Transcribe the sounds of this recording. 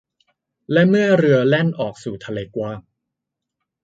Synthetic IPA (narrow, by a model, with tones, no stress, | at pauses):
lɛ˦˥mɯ˥˩ɐɾɯ˧ɐle˥˩nʔɔː˨˩k̚suː˨˩t̪ʰa˧leː˧kwaː˧˩ŋ